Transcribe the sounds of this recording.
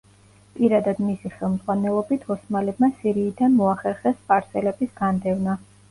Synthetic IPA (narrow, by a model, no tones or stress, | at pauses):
pʼiɾad̪ad̪misiχɛlˠmd̪z̥ʁwanɛlˠɔbit̪ʰɔsmalɛbmasiɾiːd̪anmɔaχɛɾχɛspʼaɾsɛlɛbisɡ̥and̪ɛvna